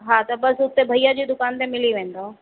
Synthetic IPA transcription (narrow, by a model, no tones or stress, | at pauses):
ɦaːt̪ɐbɐsʊt̪ebʱɐijad͡ʑiːd̪ʊkaːnt̪ẽmɪliʋẽːn̆d̪oː